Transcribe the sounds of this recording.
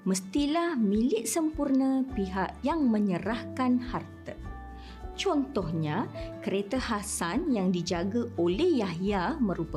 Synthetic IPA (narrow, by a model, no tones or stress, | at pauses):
məst̪ilahmĩlɪʔsəmpurnə̃piɦaʔjaŋmə̃ɲəɾahkanhart̪ə | t͡ʃɔnt̪ɔhɲakəɾet̪ahasanjaŋdid͡ʒaɡaolɛhjaɦjamə̃ɾupə